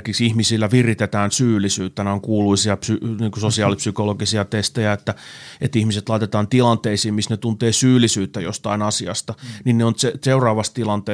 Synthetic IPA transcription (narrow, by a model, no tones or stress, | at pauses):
kiksihmisilːæʋirit̪et̪æːnsyːlːˑisyːt̪ːæneoŋkuːluisiɑpsyniːŋkusosiɑːlipsykoloɡisiɑt̪est̪ejæet̪ːæet̪ihmiset̪lɑit̪et̪ɑːnt̪ilɑnt̪eisiːmmisnet̪unt̪eːsyːlːˑisyːt̪ːæjo̰st̪ɑinɑsiɑ̰st̪ɑninneont̪seseurɑːʋɑst̪ilɑnt̪eː